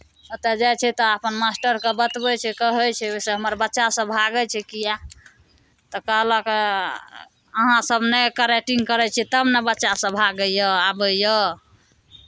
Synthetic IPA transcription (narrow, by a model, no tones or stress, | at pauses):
ət̪ɛd͡ʒajt͡ʃʰɛt̪ɔapənmasʈəɾkebət̪bɛt͡ʃʰɛkəɦət͡ʃʰɛoseɦəməɾbətːʃasə̃bʱaɡət͡ʃʰɛkija | t̪ɔkəɦlək | əɦãsəbnekəɾeʈiŋɡkəɾɛt͡ʃʰɛt̪əbnebətːʃasə̃bʱaɡəjəabəjə